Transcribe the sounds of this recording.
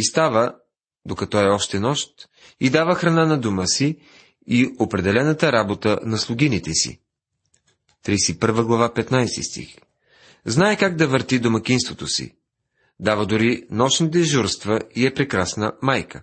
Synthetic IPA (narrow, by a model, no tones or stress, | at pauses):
ist̪avə | d̪okɐt̪ɔɛɔʃt̪ɛnɔʃt̪ | id̪avəxɾɐnanɐd̪uməsi | iopɾɛd̪ɛlɛnət̪əɾabot̪ənɐslˠʊɡʲinit̪ɛsḭ | t̪ɾijsipəɾvəɡlˠɐvapɛt̪najst̪ḭst̪ḭx | znaɛkaɡ̚d̪ɐvəɾt̪id̪omɐkʲinst̪vot̪osḭ | d̪avəd̪ʊɾinɔʃnit̪̬ɛʒuɾst̪vəiɛpɾɛkɾasnəmajkə